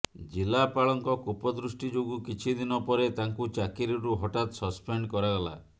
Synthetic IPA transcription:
d͡ʒilapaɭɔŋkɔkupɔd̪ɾusʈid͡ʒoɡukit͡ʃʰid̪inɔpɔɾet̪aŋkut͡ʃakiɾɔɾuɦɔʈat̪ɔsɔspeɳɖkɔɾaɡɔla̰

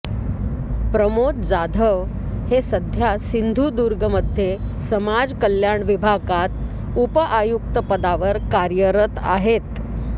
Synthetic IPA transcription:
pɾəmot̪d͡zad̪ʱəʋ | hesəd̪ʱjasind̪ʱud̪uɾɡəməd̪ʱjesəmad͡zkəljaɳʋibʱaɡat̪̚ | upəʔajuk̚t̪əpəd̪aʋəɾkaɾjəɾət̪a̰ɦet̪

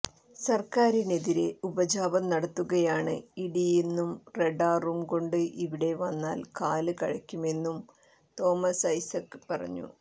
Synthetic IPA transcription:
sɐrkaːɾine̞ðiɾe̞ubɐd͡ʑaːbɐmnɐɽɐt̪ːuɣɐjaːɳɨ̰iɽijinːumre̞ɖaːrumko̞ɳɖɨʔiʋiɽe̞ʋɐnːaːlkaːlɨkɐɻɐkʲːume̞nːum | t̪o̞ːmɐsɐjsɐkːɨpɐrɐ̰ɲːṵ

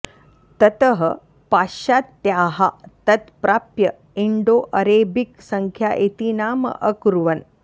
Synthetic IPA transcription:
t̪ɐt̪ɐɦə | paːʃaːt̪ːjaːɦat̪ɐt̪pɾʔaːpjɐ | iɳɖoːʔɐɾeːbiksɐŋkʰjaːʔet̪iːnaːmɐ̰ʔɐkuɾuʋɐn

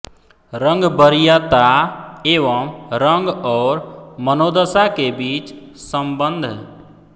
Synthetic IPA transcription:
ɾəŋɡbəɾijat̪aeʋəmɾəŋɡɔːɾmənod̪əsakebiːt͡ʃ | səmbənd̪ʱ

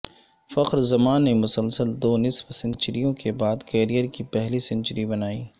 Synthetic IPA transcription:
fɐqɾzɐmaːnːemʊsəlsəld̪oːnɪsbsɪ̃nt͡ʃəɾijõkebaːd̪kɛːɾijəɾkipɛɦlisɪ̃nt͡ʃəɾibɐnaːiː

